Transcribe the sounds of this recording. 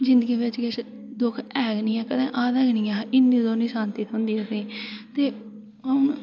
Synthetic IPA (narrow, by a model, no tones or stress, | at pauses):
d͡ʒɪ̃nd̪əɡiːʋɪt͡ʃɡɪt͡ʃ | d̪ʊkʰɛːɡnĩːɛːkəd̪ẽːʔaːd̪əːɡnĩːɛːʔɪnːiːd̪oːnĩːsaːnt̪iːt̪ʰɦʊ̃nd̪iːɛpĩːt̪eː | ɦəʊn